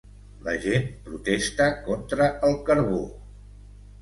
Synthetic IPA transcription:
ləʒenpɾut̪ɛst̪əkɔnt̪ɾəəlˠkəɾβo

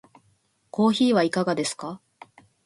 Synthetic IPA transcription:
ko̞ːçiːβaikaɡad̪e̞sɨ̥ka

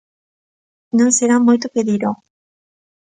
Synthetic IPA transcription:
nõŋseɾamojt̪̬opeðiɾo

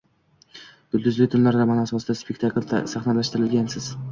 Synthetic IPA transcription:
d̪̥ʊlʲd̪ɪzlɪt̪ʰʊmlaɾd̪ʲamanasɒsɪd̪aspekʲt̪ʰakʲlsaχnalaʃt̪ɪɾɪlɡʲansɪz̥

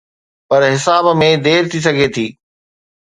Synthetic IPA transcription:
pɐɾɦɪsaːbmẽd̪eːɾt̪ʰis̬ɐɡʱet̪ʰiː

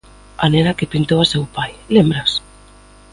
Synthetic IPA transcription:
a̰nenakepint̪owasewpajlembɾas

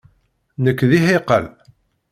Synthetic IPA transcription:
nəkʷːðiɦɪqə̰l

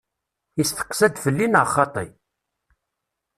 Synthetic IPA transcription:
isθə̥qːsæd̪fəlːinəʁχːɑt̪ˤḭ

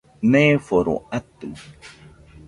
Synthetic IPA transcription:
nefoɾo̰at̪u

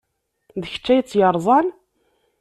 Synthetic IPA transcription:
ðəçə̥t͡ʃːæjət͡sːjəɾˤzˤɑn

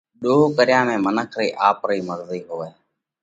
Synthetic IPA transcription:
ɗoːkəɾɪjãːmẽːmənəkʰɾiːʔaːpɾiːməɾziːɦoːeː

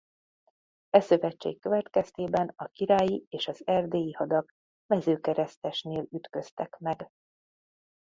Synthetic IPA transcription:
ɛsø̞vɛt͡ʃt͡ʃːḛːkːø̞vɛt̪kɛst̪eːbɛnɒkiɾaːjieːʃɒzɛrd̪eːjihɒd̪ɒɡ | mɛzøːkɛɾɛst̪ɛʃneːlyt̪kø̞st̪ɛkmɛɡ

